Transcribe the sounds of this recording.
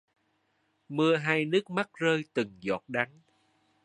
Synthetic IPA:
mɨ˧əɦaː˧jnɨ˦˥ək̚ma˦˥k̚zəː˧jt̪ɨ˨˩ŋzɔ̰˨˩t̚ɗa˨˦ŋ

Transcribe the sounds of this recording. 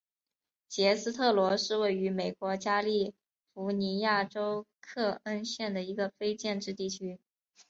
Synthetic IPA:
t͡ɕjɛ˧˥sɹ̩˥t̪ʰɤ˥˩lwɔ˧˥ʂɻ̩˥˧we˥˩ɪy˧˥me˨˩ɪkwɔ˧˥t͡ɕja˥li˥˩ | fu˧˥ni˧˥ja˥˩ʈ͡ʂo˥ʊkʰɤ˥˩ə˥nɕjɛ˥˩nd̪ə˩i˧˥ɡə˧fe˥ɪt͡ɕjɛ˥˧nʈ͡ʂɻ̩˥˧t̪i˥˩t͡ɕʰy˥

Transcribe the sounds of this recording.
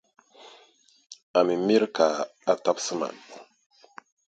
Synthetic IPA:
a˨mi˨mi˦ɾkaː˨a˨ta˦bsɨ˦ma̰˨

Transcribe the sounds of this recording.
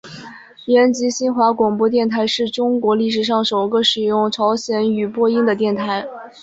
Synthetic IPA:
jɛ˧˥nt͡ɕi˧˥ɕi˥nxwa˧˥kwɑ˨˩ŋpwɔ˥˧t̪jɛ˥˩nt̪ʰa˧˥ɪʂɻ̩˥˩ʈ͡ʂʊ˥ŋkwɔ˧˥li˥˩ʂ̬ɻ̩˨˩ʂ̬ɑ˥˩ŋʂo˨˩ʊɡə˧ʂɻ̩˨˩jʊ˥˩ŋʈ͡ʂʰɑ˧˥ʊɕjɛ˧˥ny˨˩pwɔ˥˧i˥ŋd̪ə˨t̪jɛ˥˩nt̪ʰa˧˥ɪ

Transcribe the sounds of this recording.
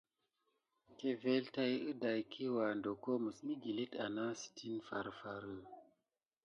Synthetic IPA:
ke˨ve˦lta˧jɨ˦da˨jkʰi˦wa˨ndo˨ko˦mɨ˨smi˦ɡi˨li˦ta̰˨na˦si̥tʰi˦nfa˨ɾfa˨ɾɨ˦

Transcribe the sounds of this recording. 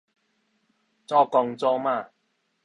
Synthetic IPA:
t͡sɔː˥˩kɔː˧ŋt͡sɔː˥maː˧˨

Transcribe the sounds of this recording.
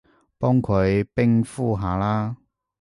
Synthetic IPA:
pɔː˥ŋkʰɵ˨˧ɥpɪ˥ŋfuː˥˩ɦaː˨˧laː˥

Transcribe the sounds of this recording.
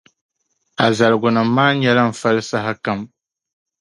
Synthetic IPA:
a˨za˨lɡʊ˨nɨː˨˦aː˦ɲɛ˦la˦m̩˨fa˦lsa˦ɦa˦ka˦m

